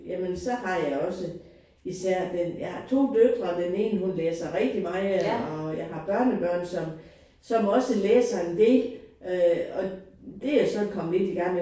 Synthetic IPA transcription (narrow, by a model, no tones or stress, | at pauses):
jæmənsɒ̽hɑ̈jɑ̈ɪɒ̽sə | isæɐ̰d̥enjɑhɑ̈t͡sʰo̝̰ːd̥ød̥ʁɐd̥ene̝ːnɦunleːsɐʁɛɡ̥̚d̥imɑ̈ɪɒ̽jɑ̈ɪɦɑ̈b̥ɶɐnəb̥ɶɐ̰nsɒ̽m | sɒ̽mɒ̽səleːsɐend̥e̝øɒ̽d̥e̝jasɒ̽kʰɒ̽mled̥iɡ̥ɑ̈ŋ̰e